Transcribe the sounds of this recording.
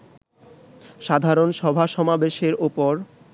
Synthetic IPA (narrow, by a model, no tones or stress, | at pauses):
ʃad̪ʱaɾonʃɔbʱaʃɔmabeʃeɾupoɾ